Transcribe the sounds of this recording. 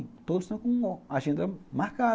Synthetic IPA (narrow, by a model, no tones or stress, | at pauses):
t̪osnãkũŋɡoaʃĩnd̪amãka